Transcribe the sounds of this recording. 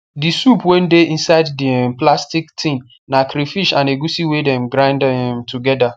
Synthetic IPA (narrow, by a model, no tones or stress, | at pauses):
disupwẽn̩deʔĩnsaɪddiɛm̩plastiktʰĩn | nakɾifiʃãneɡusiwedɛmɡɾãɪ̃ndɦĩmtʰuɡɛda